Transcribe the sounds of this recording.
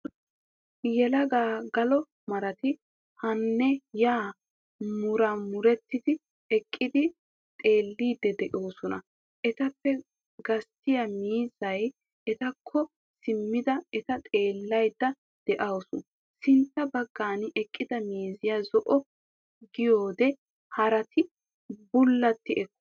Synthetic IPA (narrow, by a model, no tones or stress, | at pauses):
jɛlɐɡaːɡɐlɔ | mɐɾɐt̪ɪ | hɐnːɛjaː | mʊɾɐmʊɾɛt̪ːɪd̪ɪ | ɛkʼːɪd̪ɪ | t̪ʼe̞ːlːiːd̪ɛd̪ɛʔoːsɔnɐ̰ | ʔɛt̪ɐpːɛ | ɡɐst̪ɪjɐmiːzɐj | ɛt̪ɐkʰːɔ | sɪmːɪd̪ɐɛt̪ɐt̪ʼe̞ːlːɐjd̪ːɐ | d̪̥ɛʔɐwɔsʊ | sɪnt̪ːɐbɐɡːaːnʔɛkʼːɪd̪ɐmiːzɪjazɔʔɔ | ɡɪjo̞ːd̪ɛ | hɐɾɐt̪ɪ | bʊlːɐt̪ːɪɛkː